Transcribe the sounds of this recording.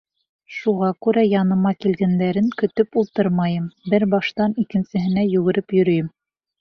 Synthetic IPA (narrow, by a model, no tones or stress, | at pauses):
ʃuʁɑkʉɾæjɑnɤ̆mɑkilɡænd̪æɾɘŋkɵ̆t̪ɵpulˠt̪ɤɾmɑjɤmbɘɾbɑʃt̪ɑnikɘ̆nsɘ̆ɦɘ̆næjɵ̆ɣɘ̆ɾɘpjɵ̆ɾɵ̆jɘm